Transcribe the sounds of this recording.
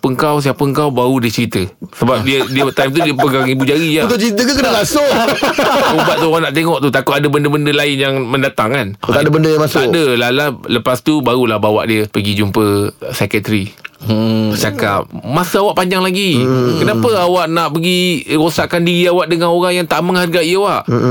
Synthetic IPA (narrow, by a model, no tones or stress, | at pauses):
pəŋkaws̬iapəəŋkawbaudɪt͡ʃəɾit̪əsəbap̚diədiət̪ajmt̪udiəpəɡaŋibud͡ʒaɾijat̪ʊt͡ʃəɾit̪əkankənaɡasoʔaubaʔt̪uɣanaʔt̪eŋɔʔt̪ut̪akʊadəbəndəbəndəlaɪnjaŋmə̃ndat̪aŋkanadabəndəjãŋmasʊaʔdəlalaləpast̪ubaɣulahbawa̰ʔdiəpəɡid͡ʒumpəsɛkət̪ɾi | t͡ʃaka̰p̚masəawaʔpaɲd͡ʒaŋlaɡikənapəawaʔnaʔpəɡiɾosaʔkandiɾiawaʔdəŋanoɾaŋjaŋt̪aʔməŋharɡaʔiəwaʔ